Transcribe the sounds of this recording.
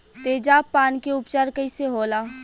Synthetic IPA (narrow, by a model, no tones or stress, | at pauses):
t̪eːd͡ʒaːpːaːnkeʊpt͡ʃaːɾkəiseɦoːlaː